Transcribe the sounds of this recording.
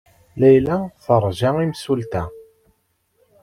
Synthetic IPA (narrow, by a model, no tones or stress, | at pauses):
læjlæθəɾˤʒæimsult̪æ